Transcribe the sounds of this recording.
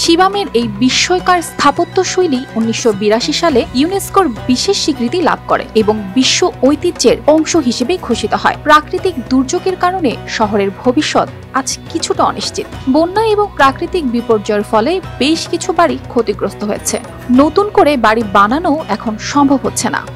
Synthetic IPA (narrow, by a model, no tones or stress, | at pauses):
ʃibameɾejbiʃːoekaɾst̪ʰapot̪ːoʃojliunːiʃːobiɾaʃiʃalejuneskoɾbiʃeʃːikɾit̪ila̰b̚ʱko̰ɾḛeboŋbiʃːoojt̪id͡ʑeɾɔŋʃoɦiʃebejɡʱoʃit̪oɦɔepɾakɾit̪ik̚d̪uɾd͡ʑoɡeɾkaɾoneʃɔɦoɾeɾbʱobiʃːɔt̪ | ad͡ʑkit͡ɕʰuʈaɔ̰niʃt͡ɕit̪bonːaeboŋpɾakɾit̪ik̚bipoɾd͡ʑaeɾfɔlebeʃkit͡ɕʰubaɾikʰot̪iɡɾost̪oɦoet͡ɕʰḛ | not̪unkoɾebaɽibananooɛkʰonʃɔmbʱobɦotːɕʰena̰